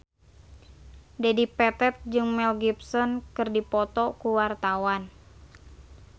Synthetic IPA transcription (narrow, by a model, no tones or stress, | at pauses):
dɛdipɛt̪ɛt̪̚d͡ʒɨŋmɛlɡipsɔnkɨrdipɔt̪ɔkuwart̪awan